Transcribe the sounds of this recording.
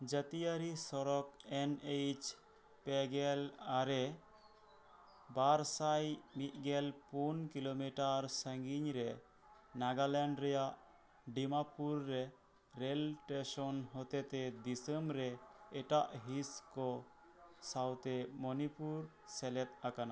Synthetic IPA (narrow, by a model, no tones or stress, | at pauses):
d͡ʒət̪ijəɾisɔɾɔkɛnejt͡ʃ | pɛɡɛlaɾɛ | baɾsajmit̪̚ˀɡɛlpunkilomiʈaɾsəŋɡiɲɾɛ | naɡalɛɳɖɾɛjaʔ | ɖimapuɾːɛ | ɾɛlʈesɔnɦɔt̪ɛt̪ɛd̪isəmɾɛːʈaʔɦiskɔ | sawt̪ɛmɔnipuɾ | sɛlɛt̪̚akana̰